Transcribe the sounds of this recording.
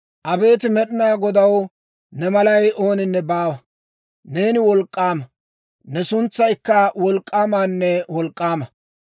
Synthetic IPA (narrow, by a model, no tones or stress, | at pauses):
ʔɐbe̞ːt̪ɪmɛɗɪnaːɡɔd̪ɐw | nɛmɐlɐjʔo̞ːnɪnːɛbaːwɐ | ne̞ːnɪwɔlkʼːaːmɐ | nɛsʊnt͡sːɐjkːɐwɔlkʼːaːmaːnːɛwɔlkʼːaːmɐ